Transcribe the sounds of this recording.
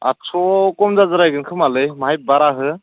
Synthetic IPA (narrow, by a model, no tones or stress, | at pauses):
a̰t͡ʃʰɔkɔmzazaɾajɡɯnkʰɯmalɯjmaɦjp̚baɾaɦɯ